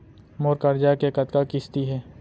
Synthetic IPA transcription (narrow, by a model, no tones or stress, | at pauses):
moːɾkəɾd͡ʒakekət̪kakɪst̪iɦɛː